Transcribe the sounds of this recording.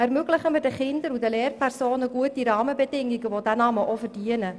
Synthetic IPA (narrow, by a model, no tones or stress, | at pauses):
ɛrmøɡlɪχəmɪrdəχɪndəɾudəleːrpʰærsoːnəɡuətiɾɑːməbɛdɪŋiɡəʋodænɑːməʔofərd̥iənə